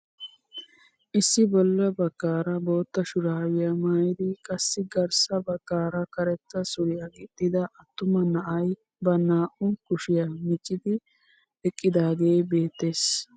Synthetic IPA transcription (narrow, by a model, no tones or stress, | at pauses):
ʔɪsːɪbɔlːɐbɐɡːaːɾɐbo̞ːt̪ːɐʃʊɾaːwɪjɐmaːjɪd̪ɪkʼɐsːɪɡɐɾsɐbɐkːaːɾɐkɐɾɛt̪ːɐsʊɾɪjɐɡɪd̪̥ːɪd̪ɐʔɐt̪ːʊmɐnɐʔɐj | bɐnaːʔʊkʊʃɪjɐmɪt͡ʃʼːɪd̪ɪ | ɛkʼːɪd̪aːɡe̞ːbe̞ːt̪ːe̞ːs